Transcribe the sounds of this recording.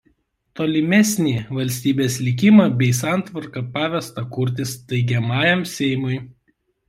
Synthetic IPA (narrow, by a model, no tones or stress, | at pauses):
t̪oːlʲɪmʲɛsʲnʲiːʋɐlʲsʲt̪ʲiːbʲeːsʲlʲɪkʲɪmɑbʲɛɪsɑˑnˑt̪ʋɐɾkɐpɑːʋʲɛst̪ɐkʊɾʲt̪ʲɪst̪ɐɪɡʲɛmɑːjɛmsʲɛɪmʊɪ